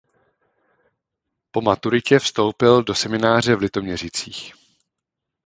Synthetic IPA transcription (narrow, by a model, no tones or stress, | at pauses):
po̞mat̪uɾɪcɛfst̪o̞wpɪldo̞sɛmɪnaːr̝ɛvlɪt̪o̞mɲɛr̝it͡siːx